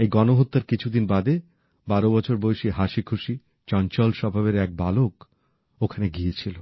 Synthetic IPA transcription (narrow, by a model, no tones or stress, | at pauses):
ejɡɔnoɦot̪ːaɾkit͡ɕʰud̪inbad̪e | baɾobɔt͡ɕʰoɾboeʃiɦaʃikʰuʃi | t͡ɕɔnt͡ɕɔlʃɔbʱaβeɾɛk̚balok | okʰaneɡiet͡ɕʰilo